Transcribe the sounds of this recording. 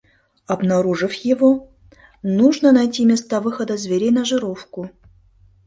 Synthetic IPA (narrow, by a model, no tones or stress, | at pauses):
ɐbnaɾuʐɨfjɪvo | nuʐnənajtʲimʲest̪avɨxəd̪əzvʲeɾʲejnɐʐɨɾofkʊ